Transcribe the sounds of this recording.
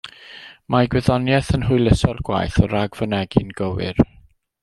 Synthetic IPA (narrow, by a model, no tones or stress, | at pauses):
maɡwɛðɔnjɛθənɦʊjlˠəsɔlˠɡ̥wa̰jθɔɾaɡvənɛɡɪnɡəwɪ̰r